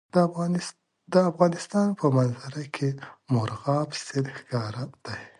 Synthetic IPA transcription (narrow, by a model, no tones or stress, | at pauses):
d̪əafɣɑnɪst̪ɑnpʰəmanzaɾakʰemʊɾɣɑbsɪlxɡɑɾad̪̥aj